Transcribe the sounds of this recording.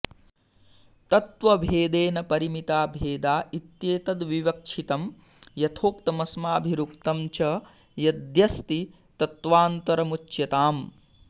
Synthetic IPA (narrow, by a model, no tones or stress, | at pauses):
t̪ɐt̪ʋɐbʱeːd̪eːnɐpɐɾimit̪aːbʱeːd̪aːit̪jeːt̪ɐd̪ʋiʋɐkʂʰit̪ɐm | jɐt̪ʰoːkt̪ɐmɐsmaːbʱiɾukt̪ɐmt͡ʃɐ | jɐd̪jɐst̪i | t̪ɐt̪ʋaːnt̪ɐɾɐmut͡ʃːjɐt̪aːm